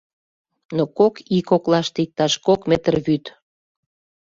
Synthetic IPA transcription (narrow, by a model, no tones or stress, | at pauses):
nokokikoklɑʃt̪ik̚t̪ɑʃkokmet̪ərβyt̪